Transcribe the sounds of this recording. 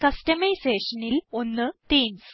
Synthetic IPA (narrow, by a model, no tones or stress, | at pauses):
kɐstɐmɐjseːʂɐnilo̞nːɨt̪iːms